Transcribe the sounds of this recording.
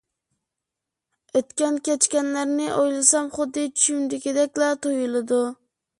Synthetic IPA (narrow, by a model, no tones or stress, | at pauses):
øt̪kʲɛnkʲɛt͡ʃkʲɛnlæɾnɪʔojlˠɨsɛmχʊd̪ːɨt͡ʃʰy̥ʃymd̪ɪkʲʰed̪ɛkʲlɛt̪ʰojulˠɨd̪u